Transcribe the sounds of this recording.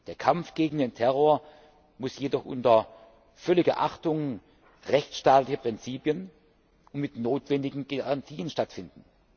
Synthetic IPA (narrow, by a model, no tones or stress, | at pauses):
d̥eːɐkʰamfɡ̥eːɡŋ̩deːntʰɛʁoːɐ | mʊsjedɔχʔʊ̰ntɐ | fœlɪɡɐʔaχtʊŋ | ʁɛçtʃtaːtlɪçəpʁ̥ɪnt͡siːpjən | ʔʊntmɪtnoːtv̥ɛndɪɡŋ̩ɡaʁantʰiːənʃtatfɪndn̩